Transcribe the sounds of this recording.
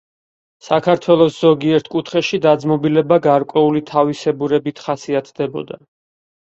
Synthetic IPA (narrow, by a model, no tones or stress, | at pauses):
sakʰaɾt̪ʰwɛlˠɔsz̥ɔɡiɛɾt̪ʰkʼut̪ʰχɛʃid̪ad̪zmɔbilɛbaɡaɾkʼwɛulit̪ʰavisɛbuɾɛbit̪ʰχasiat̪ʰd̪ɛbɔ̰d̪a